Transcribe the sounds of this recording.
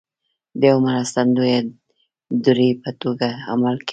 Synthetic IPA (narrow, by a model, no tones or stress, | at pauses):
d̪əjawmaɾast̪and̪uje | d̪uɾipət̪oɡaa̰malk